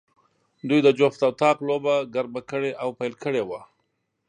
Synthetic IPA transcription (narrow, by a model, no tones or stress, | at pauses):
d̪ujd̪əd͡ʒoft̪awt̪ɑqlobaɡaɾbakəɽeʔawpajlkəɽewa